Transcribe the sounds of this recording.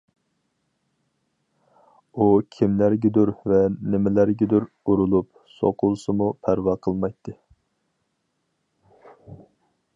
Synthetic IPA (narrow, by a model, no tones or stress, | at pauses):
ukʲʰimlæɾɡʲɛd̪uɾvɛnɪmɪlæɾɡʲɛd̪uɾ | uɾulˠup̚ | so̰qʰʊlˠsɨmupʰæɾwɑqʰəlˠmɑjt̪ʰːɨ